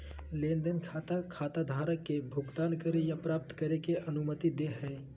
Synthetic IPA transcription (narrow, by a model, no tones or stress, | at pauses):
lẽːnd̪ənkʰat̪akʰaːt̪ad̪ʱaːɾəkːebʱʊɡt̪aːnkəɾejapɾaːp̚t̪kəɾekeʔənʊmət̪id̪eɦɛ̃e